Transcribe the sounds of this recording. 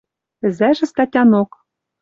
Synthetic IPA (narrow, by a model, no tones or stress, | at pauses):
ɘ̆zæʒɘ̆st̪ɑtʲɑnok